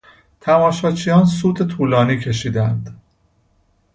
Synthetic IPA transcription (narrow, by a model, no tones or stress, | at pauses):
t̪ʰæmɒːʃɒːt͡ʃʰijɒːnsuːd̪et̪ʰuːlɒːniːcʰe̞ʃiːd̪ænd̪